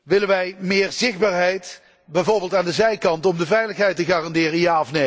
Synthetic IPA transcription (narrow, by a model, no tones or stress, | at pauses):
ʋɪlənʋɛjmɪːɹzɪχ̚baːɹɦɛjt | bɛjvoːɹbɪːlˠtaːndəzɛjkɑntɔmdəvɛjləχɦɛjtəχaːrɑndɪːrəjaɑfne